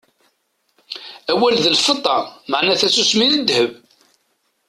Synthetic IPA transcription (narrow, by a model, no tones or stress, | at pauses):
æwælðəlfət̪ˤːɑməʕnæθæsusmiðəd̪həv